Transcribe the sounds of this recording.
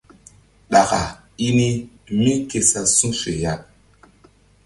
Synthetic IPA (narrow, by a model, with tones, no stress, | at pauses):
ɗa˨ɣa˨ | i˦ni˦ | mi˦ke˨sa˨sũ˦fe˨ja˦˨